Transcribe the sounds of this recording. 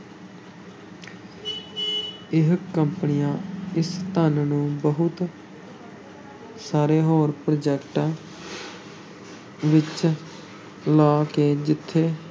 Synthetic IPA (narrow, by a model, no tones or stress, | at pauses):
ɪɦkəmpənijãːɪst̪ənnũːbəɦʊt̪ | saːɾeːɦoːɾpɾod͡ʒɛːkʈãː | ʋɪt͡ʃ | laːkeːd͡ʒɪt̪ʰːeː